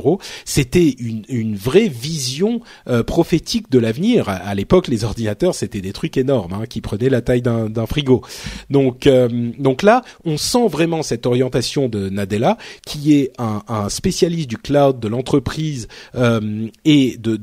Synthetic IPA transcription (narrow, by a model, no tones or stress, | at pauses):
ʁoset̪ɛynynvʁɛvizjɔ̃ | øpχɔfet̪ʰik̚d̪əlavniʁa̰alepɔklezɔʁd̪inat̪œʁset̪ɛd̪et̪χykenɔʁmɛ̃kʲipχənɛlat̪ajd̪ɛ̃d̪ɛ̃fχiɡod̪ɔ̃kømd̪ɔ̃klaɔ̃sɑ̃vʁɛmɑ̃sɛt̪ɔʁjɑ̃t̪asjɔ̃d̪ənad̪elakʲʰiɛɛ̃ɛ̃spesjalist̪̚d̪yklawd̪̚ːəlɑ̃t̪χəpχizømed̪ə